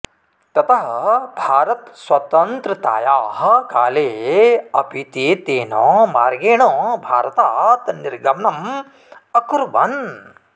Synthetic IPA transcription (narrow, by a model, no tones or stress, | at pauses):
t̪ɐt̪ɐɦɐbʱaːɾɐt̪swɐt̪ɐnt̪ɾɐt̪a̰ːjaːɦɐ̆kaːleːɐpit̪eːt̪eːnɔːmaːɾɡeːɳɔːbʱaːɾɐt̪aːt̪niɾɡɐmɐnɐm | ɐkuɾʋɐ̰n